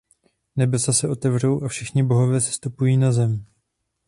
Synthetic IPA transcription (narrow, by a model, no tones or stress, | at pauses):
nɛbɛsasɛʔo̞t̪ɛvr̝owʔafʃɛxɲɪbo̞ɦo̞vjɛsɛ̥st̪upujiːnazɛm